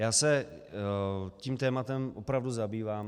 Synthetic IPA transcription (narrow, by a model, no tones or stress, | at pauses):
jaːsɛ | ciːmt̪ɛːmat̪ɛmʔopɾavduzabiːvaːm